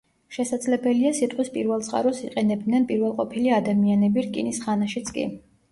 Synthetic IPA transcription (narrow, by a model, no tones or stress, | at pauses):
ʃɛsad̪zlɛbɛliasit̪ʼqʼwispʼiɾvɛlˠt̪sʼqʼa̰ɾɔsiqʼɛnɛb̚d̪nɛnpʼiɾvɛlˠqʼɔpʰiliad̪amianɛbiɾkʼḭnisχanaʃit̪sʰkʼḭ